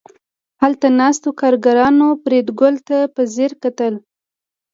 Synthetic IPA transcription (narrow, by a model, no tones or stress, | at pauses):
halt̪anɑst̪okɑɾɡaɾɑnopɾed̪ɡʊlt̪apəzeɾkat̪əl